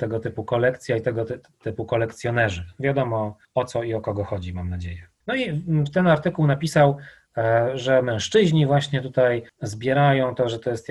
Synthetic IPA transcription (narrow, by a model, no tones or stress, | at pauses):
t̪ɛɡɔt̪ɘpukɔlɛkt̪sʲjait̪ɛɡɔt | t̪ɘpukɔlɛkt̪sʲjɔnɛʐɘvʲjad̪ɔmɔ | ɔt̪sɔiɔkɔɡɔxɔd͡ʑimamnad͡ʑejɛ | nɔit̪ɛnaɾt̪ɘkuwnapʲisaw | ʐɛmɛ̃w̃ʂt͡ʂɘʑɲivwaɕɲɛt̪ut̪ajzbʲjɛɾajɔ̃w̃t̪ɔʐɛt̪ɔjɛst̪